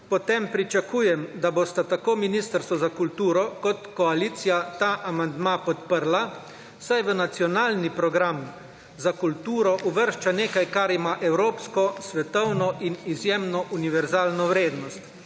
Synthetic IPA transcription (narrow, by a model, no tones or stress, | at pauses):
pɔt̪empɾit͡ʃakuːjɛmd̪aboːst̪at̪akoːminist̪əɾst̪ʋɔzakult̪uːɾɔkɔt̪kɔaliːt̪sijat̪aːʔamand̪mapɔt̪pəɾla | sajʋənat̪sijɔnaːlnipɾɔɡɾam | zakult̪uːɾɔʔuʋəɾʃt͡ʃaneːkajkaɾimaʔɛwɾoːpskɔsʋɛt̪ɔwnɔʔinizjeːmnɔʔuniʋɛɾzaːlnɔwɾeːd̪nɔst̪